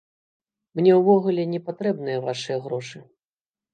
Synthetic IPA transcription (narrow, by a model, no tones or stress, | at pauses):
mnʲɛwvɔɣulʲɛnʲɛpat̪ɾɛbnɨjɐvaʂɨjɐɣɾɔʂɨ